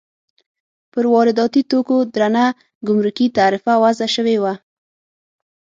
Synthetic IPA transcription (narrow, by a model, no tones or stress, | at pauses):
pəɾwɑɾɪd̪ɑt̪it̪okod̪ɾana | ɡʊmɾukit̪aɾɪfawazaʃəwewa